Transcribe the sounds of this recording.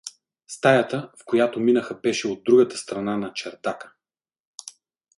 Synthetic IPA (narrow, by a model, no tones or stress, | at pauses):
st̪ajət̪əfkojat̪ominəxɐbɛʃɛod̪ːɾuɡət̪ə̥st̪ɾɐnanɐt͡ʃɛɾd̪akə̥